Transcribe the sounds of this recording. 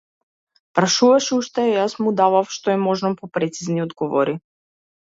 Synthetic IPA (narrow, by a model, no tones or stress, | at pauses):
pɾaʃuvaʃɛuʃt̪ɛjasmud̪avafʃt̪ɔɛmɔʒnɔpɔpɾɛt̪sizniɔd̪ɡɔvɔ̰ɾi